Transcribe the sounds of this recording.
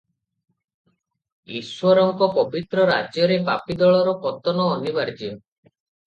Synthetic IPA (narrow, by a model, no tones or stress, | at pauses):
ḭswɔɾɔŋkɔpɔbit̪ɾɔɾa̰d͡ʒjɔɾepapid̪ɔɭɔɾɔkɔt̪ɔnɔːnibaɾd͡ʒɔ